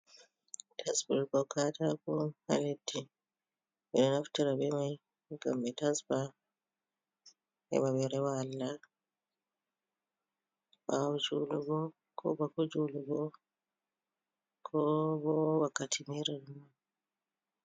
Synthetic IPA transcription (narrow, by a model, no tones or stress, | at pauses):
tʰasbulkɔkʰatakuha̰ledːi | ɛnɔnaftiɾabɛmaj | ɡa̰mbɛtasba | ɛ̰βaβɛɾɛwalːa | bad͡ʒuluɡɔ | kʰɔ̰bakud͡ʒuluɡɔ | kʰɔbɔbakatʰimiɾama